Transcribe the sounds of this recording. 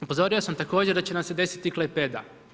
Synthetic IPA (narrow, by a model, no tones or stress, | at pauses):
upo̞zo̞ɾiosamt̪ako̞ːd͡ʑeɾd̪at͡ɕe̞namse̞d̪e̞si̥t̪iklˠejped̪a̰